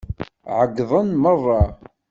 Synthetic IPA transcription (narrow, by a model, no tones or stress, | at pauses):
ʕəɡðˤənmərˤːɑ